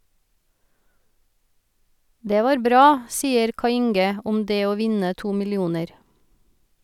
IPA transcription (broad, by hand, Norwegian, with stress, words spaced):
ˈdeː ˈʋɑːɾ ˈbɾɑː ˈsiːəɾ ˈkɑɪ ˈɪŋɡə ˈʊm ˈdeː ˈoː ˈʋɪnə ˈtuː mɪlɪˈuːnəɾ